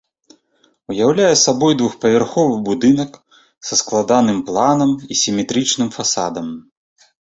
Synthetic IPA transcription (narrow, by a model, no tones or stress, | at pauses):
ujawlʲajɛsabɔjd̪vuxpɐvʲɛrxɔvɨbud̪ɨnɐk | sɐsklˠad̪anɨmplˠanɐmisʲimʲɛt̪ɾɨt͡ʂnɨmfasa̰d̪ɐm